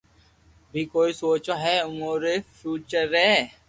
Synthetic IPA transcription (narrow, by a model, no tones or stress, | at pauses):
bʱiːkoːisoːt͡ʃaɦɛːʊmoːɾefʰjuːt͡ʃəɾɦɛː